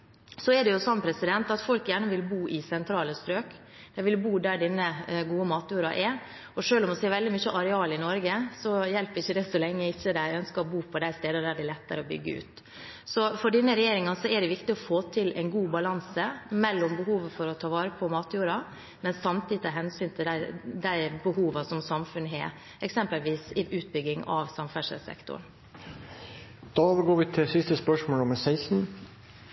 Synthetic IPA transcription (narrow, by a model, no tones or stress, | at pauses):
sɔɛɖɛjʊsɔnːpʰɾɛsɪd̪ɛnt̪ɑt̪fɔlkjæːɳəʋɪlbuːʔɪsɛnt̪ʰɾɑːləst̪ɾøːk | d̪̥ɛɪʋɪlbuːd̪æɖɪnːəɡuːəmɑːt̪juːɾɑ̰ʔɛ | ɔʂøːlɔmɔsɛːʋɛld̪ɪmʏçːəʔɑɾɛɑːlɪnɔɾɡəsɔjɛlpɾɪçːəd̪ɛsɔlɛŋːəɪçːəd̪æɪœnskəɔbuːpʰɔd̪æɪst̪eːd̪əd̪æɖɪlɛt̪ːəɾəɔbʏ̰ɡːəʉ̰ːt̪ | sɔfɔɖɪnːəɾɛjeːɾɪŋɑnsɔɛɖɛʋɪkt̪ɪɔfoːt̪ʰɪlɛɪnɡuːbɑlɑnsəmɛlːɔmbəɦuːʋəfɔɾɔt̪ʰɑːʋɑːɾəpʰɔmɑːt̪juːɾɑ | mɛnsɑmt̪ʰiːd̪ɪt̪ʰɑɦɛnsyːnt̪ʰɪld̪æd̪æɪbəhuːʋɑsɔmsɑmfʉnɦḛː | ʔɛksɛmpəlʋiːsɪʔʉːt̪̚bʏɡːɪŋɑ̰ʋsɑmfæʂə̰sɛ̰kt̪ʊ̰ɳ | d̪̥ɑːoːʋəɾɡoːɾʋɪt̪ʰɪsɪst̪əspœʂmoːlɔməsæɪsn̩